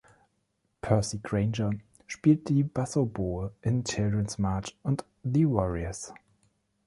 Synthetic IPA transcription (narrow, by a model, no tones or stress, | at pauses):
pʰɜ˞siɡɹẽɪ̃nd͡ʒə | ʃpiːlt̚ðibasəlbɔːlʔɪ̃ntʰɪldɹə̃nsmaːt͡ʃʊ̃nt | ðiwɔɹiəs